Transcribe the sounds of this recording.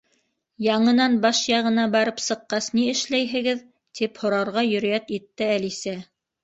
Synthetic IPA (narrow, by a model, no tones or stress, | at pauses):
jɑɴɤ̆nɑnbɑʃjɑʁɤ̆nɑbɑɾɤpsɤ̆qːɑsniɘ̆ʃlæjɦɘ̆ɡɘð | t̪iphŏɾɑɾʁɑjɵ̆ɾ̆jæt̪it̪ːɘælisæ